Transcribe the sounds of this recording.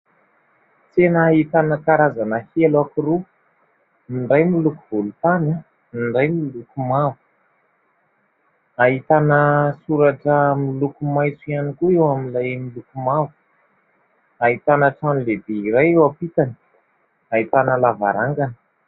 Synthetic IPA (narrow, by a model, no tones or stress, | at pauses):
t͡senaːɦit̪anəkaɾazanəhelakiɾu | iɳɖ͡ʐajmilukuvulut̪ana | iɳɖ͡ʐajmilukumavu̥ | aɦit̪anəsuɾaʈ͡ʂəmilukumajt͡suianikuewamilajmilukumavu̥ | aɦit̪anəʈ͡ʂanilebeiɾajewapit̪ani̥ | ait̪anəlava̰ɾaŋɡanə̥